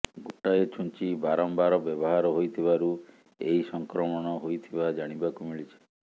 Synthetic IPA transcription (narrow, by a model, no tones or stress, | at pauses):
ɡoʈaet͡ʃʰunt͡ʃibaɾɔmbaɾɔbɔbɔɦaɾɔɦojt̪ʰiβaɾu | ejsɔŋkɾɔmɔɽ̃ɔɦojt̪ʰibad͡ʒaɽ̃ibakumiɭit͡ʃʰi̥